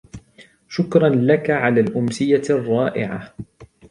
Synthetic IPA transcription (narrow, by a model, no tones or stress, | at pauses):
ʃʊkɾˤɑnlakaʕalaːlʔʊmsɪjarˤːɑːʔɪ̰ʕa̰